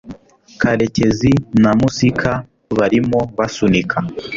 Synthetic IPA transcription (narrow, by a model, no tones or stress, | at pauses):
kʰaɾe̞ce̞zinamusikʰa | βaɾimoβasunikʰa